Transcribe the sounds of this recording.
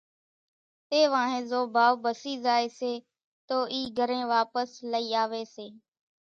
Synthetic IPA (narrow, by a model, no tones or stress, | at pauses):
t̪eːʋãːɦẽːzoːbʱaːʋbəsiːzaːeːseː | t̪oːʔiːɡʱəɾẽːʋaːpəsləiːaːʋeːseː